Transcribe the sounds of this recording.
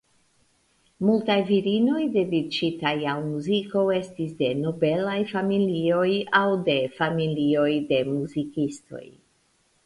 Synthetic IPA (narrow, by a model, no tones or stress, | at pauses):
multajviɾino̞jde̞dit͡ʃitajawmuziko̞we̞stisde̞no̞be̞lajfamilio̞jawde̞familio̞jde̞muzikisto̞̰j